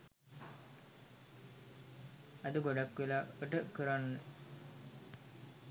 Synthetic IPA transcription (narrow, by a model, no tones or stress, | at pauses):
ɐd̪əɡoɖakːʋelaːoʈəkəɾanːe